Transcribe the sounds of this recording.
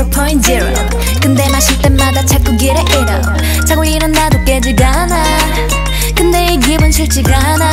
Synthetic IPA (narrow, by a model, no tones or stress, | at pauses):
pʰoĩn̚d͡ʑeɾo̰ | kɯnd̪emaɕʰiɭt̪͈emmadat͡ɕʰak͈ːuɡeɾeʔeɾa | t͡ɕʰaɡuɭinɯnd̪ad̪ok͈ed͡ʑiɡa | na | kɯnd̪eiɡebɯnɕʰiɭt͡ɕ͈iɡa | na